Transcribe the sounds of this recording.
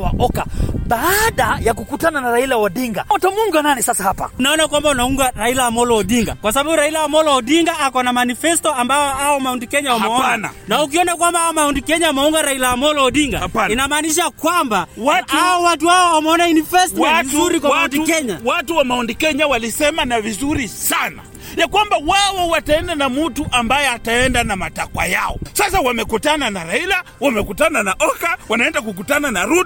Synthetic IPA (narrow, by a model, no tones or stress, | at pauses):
waʔɔka̰ɓaːɗajakukutananaɾailawaɗiŋɡa̰ɔtɔmuŋɡananisasahapa̰naɔnakwambaunauŋɡaɾailaamɔlɔɔɗiŋɡa̰kwas̬ababuɾailawamɔlɔɔɗiŋɡaakɔnamanifɛstɔambajɔaɔmaɔndikɛɲawamɛɔnana̰nauk̬iɔnakwambahaɔmaundikɛɲawamɛuŋɡaɾailaamɔlɔɔɗiŋɡa̰painamaːniʃ̬akwambawataɔwat̬uhaɔwamɛɔnaunifɛstwauɾikwawaatiukɛɲawatuwamaɔndikɛɲawalisɛmanavizuɾisana̰ | jakwambawawɔwataɛndanamutuʔambajɛataɛndanamatakwa̰ja̰ɔ̰sasawamɛkutananaɾaila | wamɛkutananaʔɔkawanaɛndak̬uk̬utananaɾut